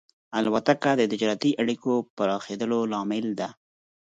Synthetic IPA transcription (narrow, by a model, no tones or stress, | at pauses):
alwat̪akad̪əd̪ɪd͡ʒɾat̪iʔaɽikopəɾɑxed̪əlolɑmɪld̪a